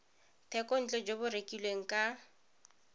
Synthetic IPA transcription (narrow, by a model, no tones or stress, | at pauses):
tʰɛkʼɔn̩t͡ɬʼɛd͡ʒobʊrekʼilweŋ̩kʼa